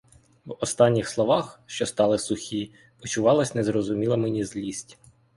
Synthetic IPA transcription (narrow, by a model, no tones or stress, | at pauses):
ʋɔst̪ɑnʲːixslˠɔʋɑxʃt͡ʃɔst̪ɑlˠɪsʊxʲi | ɔt͡ʃʊʋɑlˠɐsʲnɛzrɔzʊmʲilˠɐmɛnʲizʲlʲisʲtʲ